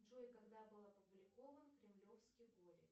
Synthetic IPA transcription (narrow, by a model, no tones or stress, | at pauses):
ʐojkɐɡd̪abɨlˠɐpʊblʲɪko̞vənkɾʲɪmlʲo̞fskʲɪjɡolʲɪ